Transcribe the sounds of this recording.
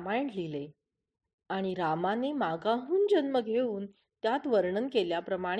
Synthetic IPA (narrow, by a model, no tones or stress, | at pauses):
maɳlile | aɽ̃iɾamanemaɡaɦuːnd͡ʑənməɡʱeuːn | t̪jat̪ʋəɾɳənkeljapɾəmã